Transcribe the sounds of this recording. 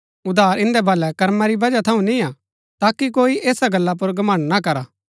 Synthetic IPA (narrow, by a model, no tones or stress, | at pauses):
ʊd̪ʱaːɾɪ̃nd̪ɛbʱɐlːɛkɐɾmaɾibɐd͡ʒat̪ʰɐũnĩa | t̪aːkikoːiʔeːsaɡɐlːap̬ʊɾɡɐmə̃ɳɖnakɐɾaː